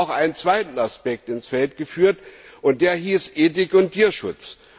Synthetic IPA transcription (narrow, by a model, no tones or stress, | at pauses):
ʊxʔaɪnənt͡sv̥aɪtn̩aspɛk̚tɪnsfɛltɡ̥əfyːɐtʔʊnt̚d̥eːɐɦiːsʔeːt̬ɪkʊntʰiːɐʃʊt͡s